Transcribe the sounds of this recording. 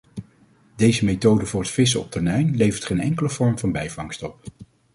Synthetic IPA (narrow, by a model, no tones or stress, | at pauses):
dejzəmejtowdəvʊːɹɦətfɪs̬əɔ̰p̚tʰɛɹnɛjnlejvəɹtχejnɛ̰ŋkələv̥ɔɹmvɑnbɛjvɑŋstɔp̚